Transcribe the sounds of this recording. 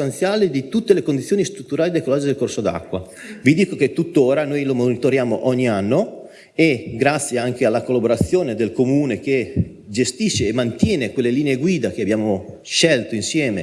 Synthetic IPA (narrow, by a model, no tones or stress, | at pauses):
ant̪sjaːled̪it̪ut̪ːelekond̪it̪sjoːnist̪ɾut̪ːuɾaːlid̪ekolɔd͡ʒed̪elkorsod̪a̰kːwa | vid̪iːkoket̪ːut̪ːoːɾanojlomonit̪oɾjaːmo̰ʔɔɲːianːo | eɡɾat̪sːjeaŋk̟ealːakolːaboɾat̪sːjoːned̪elkomuːnek̟e | d͡ʒest̪iʃːeːmant̪jɛːnekwelːeliːneeɡwiːd̪ak̟eabjaːmo | ʃɛlt̪oinsjɛːme